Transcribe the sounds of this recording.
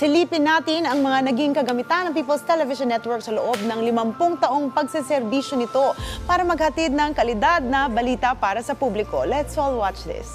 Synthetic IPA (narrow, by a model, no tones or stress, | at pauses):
sɪliːpɪnːaːt̪ɪnɐŋmɐŋanɐɡiŋkɐɡɐmɪt̪anːɐŋpiːpɐlst̪ɛlɛvɪʃɐnːɛt̪wɔɹksɐloʔo̞b̚nɐŋlɪmɐmpʊŋt̪ɐʔo̞ŋpɐɡsɪsɛɾbiːʃonɪt̪o̞paːɾɐmɐɡ̚hɐt̪id̪̚nɐŋkɐlɪd̪ad̪̚nɐbɐliːt̪ɐpaːɾɐsɐpublɪko̞̰lɛt̪sɔlˠwat͡ʃðɪ̰s